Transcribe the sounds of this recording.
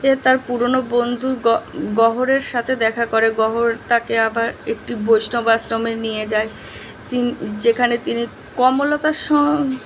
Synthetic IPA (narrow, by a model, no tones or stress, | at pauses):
et̪aɾpuɾonobond̪ʱuɾɡɔɦoɾeɾʃat̪ʰed̪ɛkʰakoɾeɡɔɦoɾt̪akeabaɾek̚ʈibojʃnobasɾomenijed͡ʑae | t̪inid͡ʑekʰanet̪ini | kɔmolot̪aʃɔ